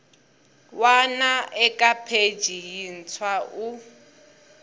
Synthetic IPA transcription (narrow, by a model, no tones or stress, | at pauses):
wanaʔɛkʼapʰe̥ʒ̥ʱijin̩t͡sʰwaʔu